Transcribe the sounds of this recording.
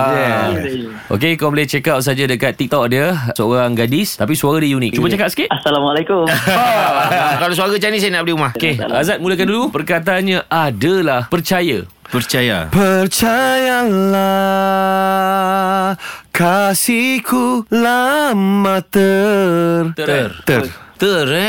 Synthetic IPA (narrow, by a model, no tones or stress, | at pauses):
a | ʔo̰kekoblat͡ʃəkap̚s̬ad͡ʒadəkat̪ːik̚t̪ɔk̚dəsəoɾaŋɡadist̪apisuaɾadijunik̚t͡ʃubət͡ʃakaʔ̚sə̥kit̪asalamalakum | kalasuaɾat͡ʃanis̬ainaʔb̚diumahkeazat̪̚muləkandulupərkat̪anɲãʔadəlahpərt͡ʃaja̰ | pərt͡ʃaja̰pərt͡ʃajala | kasikulamãt̪ə | rt̪ərt̪ət̪ər